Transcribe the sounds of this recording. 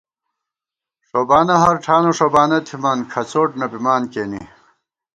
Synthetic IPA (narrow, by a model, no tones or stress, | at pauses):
ʂobaːnɐɦɐɾʈʰaːnoʂobaːnɐt̪ʰimɐnkʰɐt͡soːʈnɐbimaːnkeːnḭ